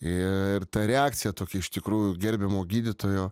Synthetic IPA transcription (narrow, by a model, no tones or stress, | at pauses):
ɪɪrt̪ɐɾʲɛaːkt̪sʲɪjɛt̪oːkʲɛɪʃt̪ʲɪkɾuːjʊɡʲɛɾʲbʲɛmoːɡʲiːd̪ʲɪt̪oːjoː